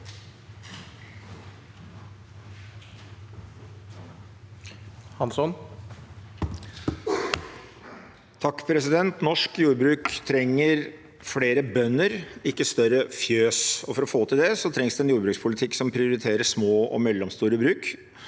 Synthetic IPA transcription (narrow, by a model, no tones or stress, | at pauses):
hɑnsɔn | t̪ʰɑkːpʰɾɛsɪd̪ɛnt̪nɔʂkjuːɾbɾʉːkt̪ʰɾɛŋːəɾ | fɽeːɾəbœnːəɾɪkːəst̪œɾəfjøːsɔfɔɾɔfoːt̪ʰɪld̪ɛsɔt̪ʰɾɛŋsd̪ʉɛnjuːɾbɾʉːkspʰʊlɪt̪ʰɪkːsɔmpʰɾɪʊɾɪt̪ʰeːɾəʂmoːɔ̰mɛlːɔmst̪uːɾəbɾʉːk